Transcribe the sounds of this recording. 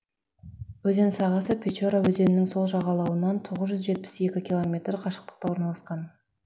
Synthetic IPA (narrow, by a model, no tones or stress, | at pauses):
wɵze̞nsɑʁɑsəpʲʰet͡ʃo̞ɾawɵze̞nɪnɪŋso̞lˠʒɑʁɑlˠɑwənɑnt̪ʰo̞ʁəzʒʏzʒe̞t̪̚pɪ̥se̞kʲɪkʲʰilˠo̞mʲe̞t̪ɾqʰɑʃə̥q̚t̪ə̥q̚t̪ɑwo̞ɾnɑlˠɑsqɑn